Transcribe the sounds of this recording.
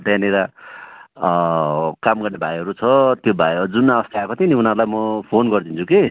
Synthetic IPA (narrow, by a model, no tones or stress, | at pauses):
ʈ̪janeɾa | kamɡʌrnebʱajɦʌɾut͡sʰʌt̪jobʱajd͡zunːaʌst̪eakot̪ʰĩniunʌɾulajmʌpʰonɡʌrd̪ʰint͡sʰuke